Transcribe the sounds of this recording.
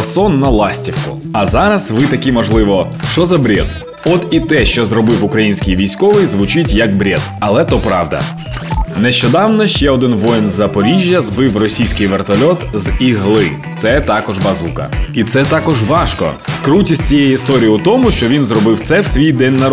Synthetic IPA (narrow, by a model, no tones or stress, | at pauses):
sɔnːɐlˠɑsʲtʲiwkʊ̰ | ɐzɑɾɐsʋɪt̪ɐkʲimɔʒlˠɪʋɔ | ʃt͡ʃɔzɐbɾʲḛd̪ | ɔt̪it̪ɛʃt͡ʃɔzɾɔbɪwʊkɾɐjinʲsʲkʲɪjʋʲijsʲkɔʋɪjzʋʊt͡ʃɪtʲjɐk̚bɾʲed̪ɐlˠɛt̪ɔpɾɑ̰wd̪ɐ̰ | nɛʃt͡ʃɔd̪ɑwnɔʃt͡ʃɛɔd̪ɪnʋɔjnzɐpɔɾʲiʒʲjɐzbɪwrɔsʲijsʲkɪjʋert̪ɐlʲɔt̪ziɦlˠɪ | t̪sɛt̪ɑkɔʒbɐzukɐ̰it̪sɛt̪ɑkɔʒʋɑʃkɔ̰kɾutʲisʲt͡sʲijɛjʊist̪ɔɾʲijʊt̪ɔmʊʃt͡ʃɔʋʲinzɾɔbɪwt̪sɛwsʲʋʲijd̪ɛnʲːɐ